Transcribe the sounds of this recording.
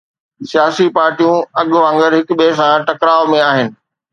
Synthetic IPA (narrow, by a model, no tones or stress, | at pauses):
sijaːsipaːɾʈijũɐɠʋãːŋɡəɾɦɪkʊɓesãʈɐkɾaːʋmẽaːɦɪnɪ̆